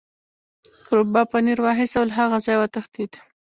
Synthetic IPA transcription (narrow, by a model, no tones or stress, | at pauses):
kɾobɑpaniɾwɑɦɪsawlaɦaɣazɑjwat̪axd̪id̪